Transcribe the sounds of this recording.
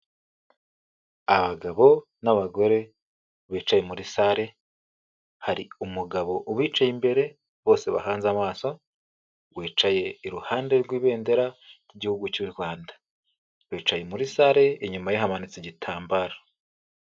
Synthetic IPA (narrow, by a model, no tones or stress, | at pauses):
aβaɡaβo̞ | naβaɡo̞ɾe̞ | βiːt͡ʃaje̞muɾisaɾe̞ | haɾḭumuɡaβo̞ʔuβiːt͡ʃajimbe̞ɾe̞ | βo̞ːse̞βa̰haːnzamaːso̞ | wiːt͡ʃaje̞iɾuhaːnde̞ɾɡwiːβe̞ːnde̞ɾaɾiɟihuɡucuɾɡwaːndḁ | βiːt͡ʃaje̞muɾisaɾe̞iɲumajiɦamanit͡siɟitʰaːmbaɾḁ